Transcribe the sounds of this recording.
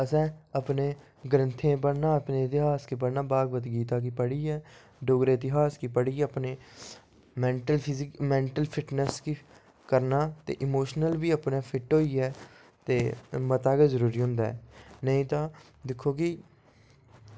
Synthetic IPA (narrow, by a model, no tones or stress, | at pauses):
əsɛ̃ːəpneː | ɡəɾənt̪ʰẽːpəɽnãːəpnẽːɪt̪ɪɦaːskiːp̬əɽnãːbaːɡʋət̪ɡiːt̪aːk̬iːpəɽiːɛː | ɖoːɡɾeːɪt̪ɪɦaːskiːpəɽiːəpneː | mɛ̃ːɳʈəlkmɛ̃ːɳʈəlpʰɪʈnəski | kəɾnaːt̪ḛːʔɪmoːʃnəlʋiːəpnaːpʰɪʈɦoːiːɛː | t̪eːmət̪aːkeːzəɾuːɾiːɦʊ̃ːnd̪aːɛːnəĩːt̪ãː | d̪ɪkʰːoːkɪ